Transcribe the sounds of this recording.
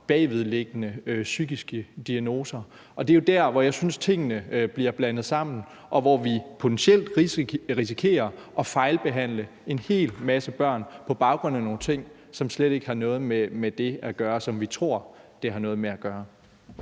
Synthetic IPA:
b̥ɛːʋið̞̩ˠleɡ̥ənəøsyɡ̥isɡ̥əd̥iæno̝ːsɐ | ʔɒ̽d̥e̝jo̝d̥æɐ̰ʋɒjɑ̈ɪsynst͡sʰe̝ŋ̰ənəb̥liɐb̥lænð̞̩ˠsɑ̈m̰n̩ | ʔɒ̽ʋɒʋipʰo̝t͡sʰensel̰d̥ʁis̬i̥kʰe̝̰ːɐʔɒ̽fɑ̈ɪlb̥e̝ɦæn̰lə | e̝nhe̝̰ːlmæsəb̥ɶɐ̰npʰɒ̽b̥ɑ̈ʊɡ̥ʁɔ̽n̰æno̝ːn̩t͡sʰe̝ŋ̰ | sɒ̽msleɾ̥e̝ɡ̥hɑ̈nɔ̽ːð̞̩ˠmemed̥e̝æɡ̥ɶːɐsɒ̽mʋit͡sʰʁo̝ɐ̰d̥e̝ɦɑ̈nɔ̽ːðˠmeæɡ̥ɶːɐ

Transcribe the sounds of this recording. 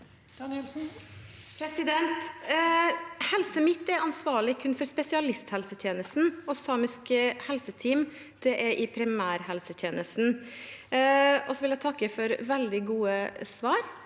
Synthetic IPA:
d̪̥ɑnɛlsn̩ | pʰɾɛsɪd̪ɛnt̪ | hɛlsəmɪt̪ːɛɾɑnsʋɑːɭɪkʰʉnfɔɾspɛsɪɑlɪst̪hɛlsət̪ʰjeːnəst̪n̩ɔsɑːmɪskhɛlsət̪ʰiːm | d̪̥ɛʔɛɾʔɪpʰɾɪmæːɾhɛlsət̪ʰjeːnəst̪n | ɔsɔʋɪljæɪt̪ʰɑkːəfɔɾʋɛld̪ɪɡuːəsʋɑːɾ

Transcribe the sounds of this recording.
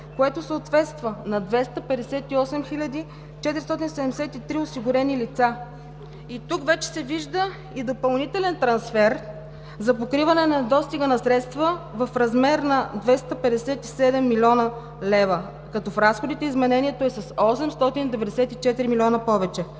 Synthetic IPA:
koɛt̪osəot̪vɛt̪st̪vənɐd̪vɛst̪əpɛd̪ɛsɛt̪iɔsɛmxilʲəd̪i | t͡ʃɛt̪iɾist̪ɔt̪̬insɛd̪ɛmɛsɛt̪it̪ɾiosiɡʊɾɛnilit̪sa | it̪ukvɛt͡ʃɛ̥sɛviʒd̪ə | id̪opɐlˠnit̪ɛlɛnt̪ɾɐnsfɛɾ | zɐpokɾivɐnɛnɐd̪ɔst̪iɡənɐsɾɛt̪st̪vəvɐfɾɐzmɛɾnɐd̪vɛst̪əpɛd̪ɛsɛt̪isɛd̪ɛmːilʲɔnə | lɛvə | kɐt̪ɔfɾasxod̪it̪ɛizmɛnɛniɛt̪oɛsɐsɔsɛmst̪ɔt̪ind̪ɛvɛd̪ɛsɛt̪it͡ʃɛt̪iɾimilʲɔnəpɔvɛt͡ʃɛ

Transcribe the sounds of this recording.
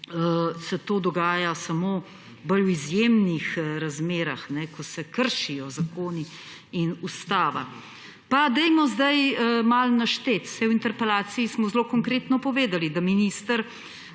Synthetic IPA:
sɛt̪oːd̪ɔɡaːjasɐmoː | bəlwizjemnixɾazmeːɾaxnɛkɔsɛkəɾʃijɔzakoːni | inust̪aːʋa̰ | pad̪ɛjmɔzd̪ajmalnaʃt̪et̪sɛjwint̪ɛɾpɛlaːt̪siismɔzloːkɔŋkɾeːt̪nɔpɔʋeːd̪alid̪aminiːst̪əɾ

